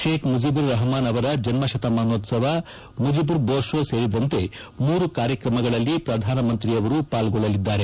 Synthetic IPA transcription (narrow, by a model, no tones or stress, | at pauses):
ʃeːkʰmud͡ʒibuɾːɐɦɐmaːnɐʋɐɾɐd͡ʒɐnmɐʃɐt̪ɐmaːnoːt̪sɐʋɐ | mud͡ʒibuɾboːɾʂoseːɾid̪ɐnt̪e̞ | muːɾukaːɾjɐkɾɐmɐɡɐɭɐlːipɾɐd̪ʱaːnɐmɐnt̪ɾijɐʋɐɾupaːlɡɔɭːɐlid̪ːaːɾe̞